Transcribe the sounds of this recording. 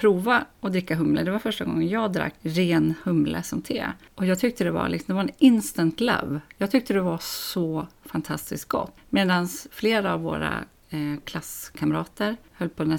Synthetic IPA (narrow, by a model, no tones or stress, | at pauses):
pʰɾuːvaɔd̪ɾɪkːaɦɵmlə̰d̪ɛvaɾfœʂʈaɡɔ̰ŋːənjɑːɡd̪ɾa̰kːɾeːnhɵmlə̰sɔmt̪ʰḛːʔɔjɑːɡt̪ʰʏk̚t̪əd̪ɛva̰lɪksɔmd̪ɛvaɾɛnɪnst̪ənt̪la̰vjɑːɡt̪ʰʏk̚t̪əd̪ɛvasɔfant̪ʰast̪ɪsk̚ɡ̥ɔ̰t̪ːmeːd̪ansfleːɾaːvːo̰ːɾa̰ | kʰlaskʰamɾɑːt̪əɾhœlːpʰɔɛn